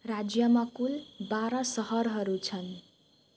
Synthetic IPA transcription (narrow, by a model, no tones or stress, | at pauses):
rad͡zjʌmakulbaɾʌsʌɦʌɾɦʌɾut͡sʰʌn